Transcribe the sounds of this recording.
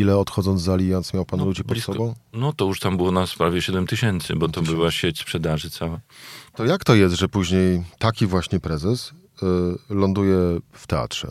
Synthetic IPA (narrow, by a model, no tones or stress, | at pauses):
ilɛɔt̪xɔd̪zɔnd̪zalʲijɔnt̪smjawpanlud͡ʑipɔt̪sɔbɔ̃w̃nɔt̪ɔjuʂt̪ambɘwɔnaspɾavʲjɛɕɛd̪ɛmt̪ɘɕɛnt̪sɘ̰bɔt̪ɔbɘwaɕet͡ɕspʂɛd̪aʐɨt̪sawat̪ɔjakt̪ɔjɛs̬t̪ʐɛpuʑɲejt̪akʲivwaɕɲɛpɾɛzɛs | lɔnd̪ujɛft̪ɛa̰t̪ʂɛ̰